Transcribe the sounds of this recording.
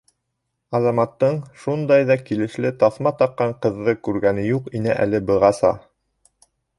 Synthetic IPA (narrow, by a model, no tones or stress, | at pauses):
ɑzɑmɑt̪ːɤɴʃund̪ɑjðɑkilɘ̆ʃlɘt̪ɑθmɑt̪ɑqːɑɴqɤ̆ðːɤkʉɾɡænɘjuqinæʔæ̰lɘbɤ̆ʁɑsɑ̰